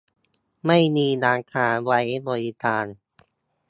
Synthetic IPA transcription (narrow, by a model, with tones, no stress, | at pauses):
ma˥˩jmiː˧naː˧ŋkʰaː˩˦wa˦˥jlo˧ji˧t̪aː˧n